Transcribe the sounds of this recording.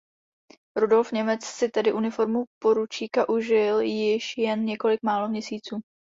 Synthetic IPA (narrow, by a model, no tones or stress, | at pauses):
ɾudo̞lfɲɛmɛt͡ssɪt̪ɛdɪʔunɪfo̞ɾmupo̞ɾut͡ʃiːkaʔuʒɪljɪʃjɛnɲɛko̞lɪk̚maːlo̞mɲɛsiːt͡suː